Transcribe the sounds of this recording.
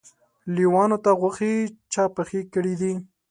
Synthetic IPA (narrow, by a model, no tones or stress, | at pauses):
liwɑnot̪aɣwaxit͡ʃɑpəxikəɽid̪i